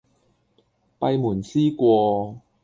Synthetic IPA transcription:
pɐ˧jmuː˨˩nsiː˥kʷɔː˧

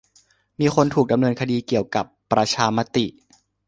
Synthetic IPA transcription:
miː˧xʰo˧nt̪ʰuː˨˩k̚da˧mnɤː˧nkʰa˧diː˧ki˨˩əwka˨˩pːɾa˧t͡ɕʰaː˧ma˦˧˥t̪i˨˩ʔ

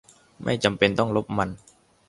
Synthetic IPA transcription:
ma̰˥˩jt͡ɕa˧mpe˧nt̪ɔ˥˩ŋlo˦˥p̚ma˧n

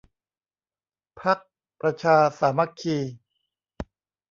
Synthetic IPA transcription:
pʰa˦˥k̚ | pɾa˧t͡ɕʰaː˧saː˩˦ma˦˥kʰiː˧

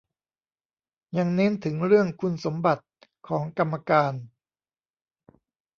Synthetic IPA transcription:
ja˧ŋne˦˥nt̪ʰɯ˩˦ŋɾɯ˥˩əŋkʰu˧nso˩˦mba˨˩t̪̚kʰɔː˩˦ŋka˧mːa˧kaː˧n

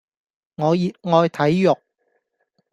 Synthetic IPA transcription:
ŋɔː˨˧jiː˨t̚ŋɔː˧jt̪ʰɐ˨˥jjʊ˨k̚

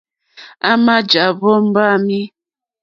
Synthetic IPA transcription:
a˦ma˦d͡ʒa˨βɔ˦m̩˦ba˦mi˦

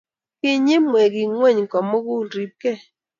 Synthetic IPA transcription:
kɪ˦ɲɪ˦mwɛ˨ɡɪ˨ŋwɛ˦˨ɲkɔ˨mo˦ɡʊ˦˨lɾi˨p̚ke˦˨

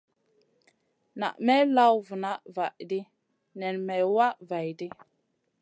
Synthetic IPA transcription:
na̰˨ʔmɛ˦la˦wvu˨na˦ʔva˨ʔdi˦ | nɛ˨nmɛ˨wa˦ʔva˨jdi˦

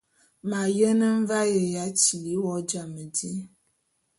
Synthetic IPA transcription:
ma˨jə˦nə˦ɱ̩˦va˦je˨ja˦t͡ʃi˨li˨˦wɔ˦d͡ʒa˨mə˨di˦

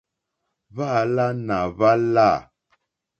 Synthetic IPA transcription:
βa˦˨la˦na˨βa˦la˦˨

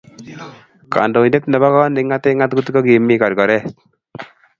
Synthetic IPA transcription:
ka̰˨ndo˨ne˦tndɛ˨βa˦kɔ˦nɪ˨ŋa˦t̪e˦ŋa˦t̪ku˦tkɔ˦ki˨mi˦ka˨ɾkɔ˨ɾɛ˦˨t

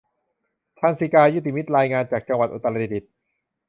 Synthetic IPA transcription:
t̪ʰaː˧nsi˨˧˦kaː˧ju˦˥t̪ʰiː˧mi˦˥t̪̚ɾaː˧jŋaː˧nt͡ɕaː˨˩k̚t͡ɕa˧ŋwa˨˩t̪̚ʔo˨˩t̪ːa˧la˧i˧˩di˨˩t̪̚

